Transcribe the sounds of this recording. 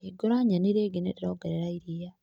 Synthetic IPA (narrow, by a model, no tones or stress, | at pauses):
eɡoɾaɲaniɾeːɡeneɾeɾoɡeɾeɾaiɾija